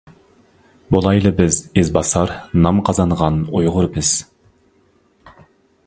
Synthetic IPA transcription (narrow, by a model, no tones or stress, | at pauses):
bolˠɑjlˠɨbɪzezbɑsɑɾnɑmqʰɑzɑɴʁɑnojʁʊɾbɨz̥